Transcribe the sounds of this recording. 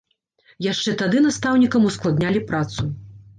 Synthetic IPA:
jaʂt͡ʂɛt̪ad̪ɨnast̪awnʲikɐmusklˠad̪nʲalʲipɾat̪su

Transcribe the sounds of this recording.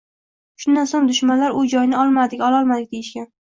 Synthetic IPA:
ʃʊnd̪ansoŋd̪ʊʃmanlaɾʊd͡ʒɒjnɪɒlˠmad̪ɪkʲɒlˠɒlˠmad̪ɪk̚ʲd̪ejɪʃkʲan

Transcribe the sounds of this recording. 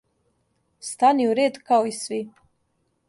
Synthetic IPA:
st̪aniuɾeːd̪kaoisʋi

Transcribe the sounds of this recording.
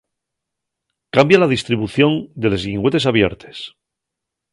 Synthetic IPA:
kambjalaðist̪ɾiβuθjo̞nd̪e̞le̞zɣiŋɡwe̞t̪esaβ̞je̞̰ɾt̪ʰe̞̥s

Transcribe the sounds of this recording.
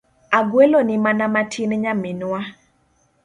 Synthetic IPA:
aɡwelonɪmanamatʰinɲaminwa

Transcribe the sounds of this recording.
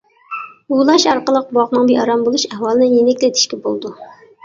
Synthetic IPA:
ulˠɑʃɑɾqəlˠəq̚bwɑʁnəŋbeɑɾɑmbolˠuʃɛhwɑlˠɨnɪjenɛkʲlɪt̪ʰɪ̥ʃkʲɛbolˠd̪u

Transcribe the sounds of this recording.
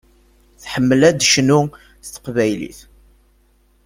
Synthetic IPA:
θħəmːəlæd̪ʃnʊ | θt̪ːə̥qvæjlḭθ

